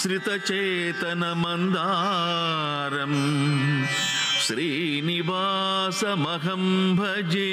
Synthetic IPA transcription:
sɾit̪ɐt͡ʃeː | t̪ɐnɐmɐnd̪aː | ɾɐm | ʃɾiː | niʋaː | sɐmɐɦɐmbʱɐd͡ʒeː

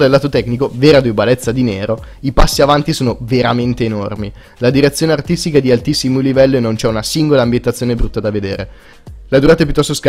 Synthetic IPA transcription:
d̪elːaːt̪ot̪ɛknikoveːɾad̪ubalɛt̪sːad̪inɛːɾo | ipasːiavant̪isoːnoveɾament̪eːnormi | lad̪iɾet̪sːjoːneart̪ist̪ikad̪ialt̪isːimolivɛlːoenːont͡ʃɛunasiŋɡolaːmbjent̪at̪sːjoːnebɾut̪ːad̪aved̪eːɾe | lad̪uɾaːt̪aep̬jut̪ːɔst̪osk

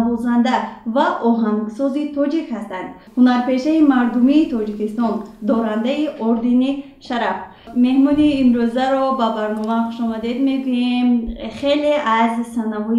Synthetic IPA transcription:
bɔzand̪avaʔɔɦaŋɡsɔzit̪ʰɔd͡ʒikhast̪and̪̥ | hunaɾpe̞ʃaimaɾd̪umiːt̪ʰɔd͡ʒikist̪ɔnd̪ɔɾand̪aiʔɔɾd̪ini | ʃaɾaf | me̞hmɔniːmɾøzaɾɔbabaɾnɔmaχuʃɔmad̪e̞d̪me̞ɡujemχe̞leazsanavɔ

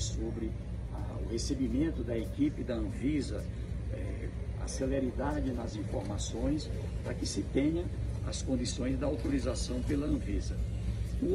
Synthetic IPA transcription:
sobɾɪ | ɐ | ʊhesebimẽnt̪ʊd̪ɐekipɪd̪ɐɐ̃vizɐ | ɛ | a̰seleɾid̪ad͡ʒɪnɐzĩfoɾmasõj̃s | pɾɐkɪsɪt̪ẽɲɐ̃ɐskõnd̪isõj̃zd̪ɐawt̪oɾizasɐ̃w̃pelɐɐ̃vizɐ | u

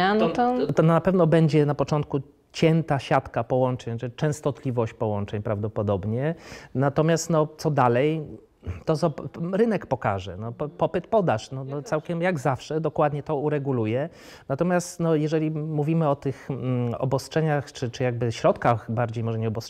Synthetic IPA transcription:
anɔt̪ɔɔnɔnapɛvn̪ɔbɛɲd͡ʑɛnapɔt͡ʂɔnt̪̚ku | t͡ɕɛnt̪aɕat̪kapɔwɔnt͡ʂɛɲt͡ʂɨt͡ʂɛ̃st̪ɔt̪lʲivɔɕt͡ɕpɔwɔnt͡ʂɛɲpɾavd̪ɔpɔd̪ɔbɲɛnat̪ɔmʲjast̪nɔt̪sɔd̪alɛj | t̪ɔzɔɾɘnɛkpɔka̰ʐɛ̰nɔpɔpɘt̪pɔd̪aʂnɔnɔt̪sawkʲɛmjaɡzafʂɛd̪ɔkwad̪ɲɛt̪ɔuɾɛɡulujɛ | nat̪ɔmʲjast̪nɔjɛʐɛlʲimuvʲimɘɔt̪ɘxɔ̰bɔstʂɛɲaxt͡ʂɘt͡ʂɘjaɡ̚bɘɕɾɔt̪kaxbaɾd͡ʑejmɔʐɛɲɛɔbɔst

